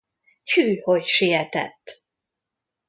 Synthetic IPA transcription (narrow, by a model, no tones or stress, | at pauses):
cʰyːhocʃijɛt̪ɛ̰t̪ː